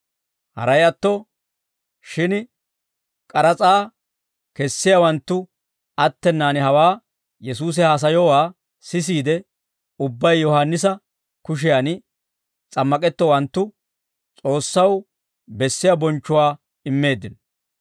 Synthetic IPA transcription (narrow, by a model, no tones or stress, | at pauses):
hɐ̰ɾɐjɐt̪ːɔ | ʃɪn | kʼɐɾɐt͡sʼaː | kɛsːɪjawɐnt̪ːʊ | ɐt̪ːɛnːaːnɪɦɐwaː | jɛs̬uːs̬ɛhaːs̬ɐjɔwaː | sɪs̬iːd̪ɛ | ʊbːɐjːɔhanːɪs̬ɐ | kʊʃ̬ɪjanɪ | t͡sʼɐmːɐkʼɛt̪ːɔwɐnt̪ːʊ | t͡sʼo̞ːsːɐw | bɛsːɪjabɔnt͡ʃːʊwaː | ɪmːe̞ːd̪ːɪn